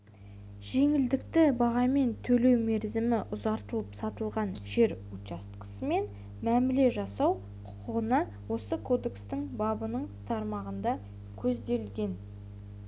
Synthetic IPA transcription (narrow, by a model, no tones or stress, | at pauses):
ʒ̥e̞ŋɪld̪ɪkt̪ɪbɑʁɑme̞nt̪ʰɵle̞wme̞ɾzɪmɪʔʊzɑɾt̪əlˠəpsɑt̪əlˠʁɑnʒe̞ɾut̪ɑst̪qə̥səme̞n | mæmɪle̞ʒɑsɑw | qʰʊ̥qʰəʁənɑ | wo̞səkʰo̞d̪e̞kst̪ɪŋbɑbənəɴt̪ʰɑɾmɑʁənd̪ɑ | kʲʰɵzd̪e̞lɡʲe̞n